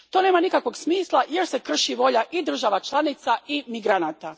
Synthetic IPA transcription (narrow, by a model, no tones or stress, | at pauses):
t̪o̞ne̞ːmanikakʋo̞ɡsmiːslˠaje̞ɾse̞kr̩ʃiʋo̞ʎaʔid̪r̩ʒaʋat͡ʃlˠanit̪saimiɡɾanaːt̪a